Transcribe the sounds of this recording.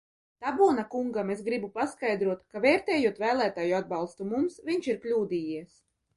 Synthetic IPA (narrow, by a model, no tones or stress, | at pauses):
t̪abuɔnakuŋɡamesɡɾibupaskajd̪ɾuɔt̪kavɛːɾt̪ɛːjuɔt̪væːlˠæːt̪aːjuad̪̚bɑlˠst̪umumsvʲiɲt͡ʃiɾklʲuːd̪iːjiɛs